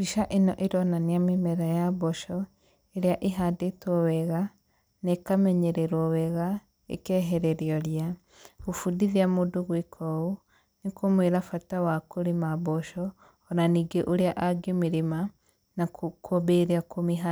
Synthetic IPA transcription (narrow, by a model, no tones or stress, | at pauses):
biʃaʔenɔ̰ʔeɾɔnaniamimɛɾajabɔʃɔ | eɾeaʔeɦadetwɔwɛɣa | nekamɛɲɛɾɛɾwɔwɛɣa | ḛkɛɦɛɾɛɾjɔɾia | ɣofudiðiamodoɣwekʰɔo | nekomweɾafatawakoɾimabɔʃɔː | naniːɡeʔoɾeaʔaɡemiɾima | nakobeɾeakomiɦa